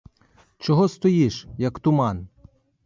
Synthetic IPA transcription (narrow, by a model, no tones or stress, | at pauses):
t͡ʃɔɦɔst̪ɔjiʃjɐkt̪ʊmɑn